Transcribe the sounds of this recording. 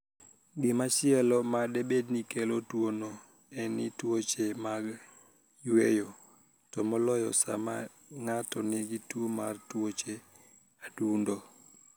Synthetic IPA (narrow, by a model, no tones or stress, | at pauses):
ɡɪmat͡ʃɪɛlɔmadebednikelotwono | ɛnɪtwot͡ʃemaɡ | jwejo | tɔmɔlɔjɔ̰sa̰ma̰ | ŋatɔnɪɡɪtwomartwot͡ʃe | adundo